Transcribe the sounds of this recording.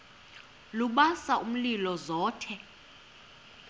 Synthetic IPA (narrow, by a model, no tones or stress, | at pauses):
luɓasaʔum̩lilɔzɔːtʰɛ